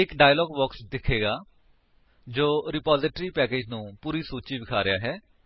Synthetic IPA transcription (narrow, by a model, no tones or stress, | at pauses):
ɪkɖaːjlɔːɡbɔːksd̪ɪkʰeːɡaː | d͡ʒoːɾɪpaːzɪʈɾiːpɛːkeːd͡ʒnũːpuːɾiːsuːt͡ʃiːbɪkʰaːɾɪjaːɦɛː